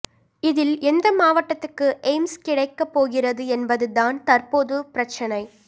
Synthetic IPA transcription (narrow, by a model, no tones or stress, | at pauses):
ɪðɪlɛnd̪ɐmaːʋɐʈːɐt̪ːɯkːɯʔɛɪmskɪɽɐɪkːɐpːoːɣɪrɐðɯɛnbɐðɯðaːnt̪ɐrpoːðɯpɪɾɐt͡ʃːɐnɐɪ